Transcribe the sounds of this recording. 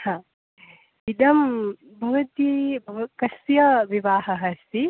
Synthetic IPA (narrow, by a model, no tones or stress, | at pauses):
hãː | id̪ɐm | bʱɐʋɐt̪ibʱɐʋkɐsjɐʋiʋaːɦɐɦɐst̪i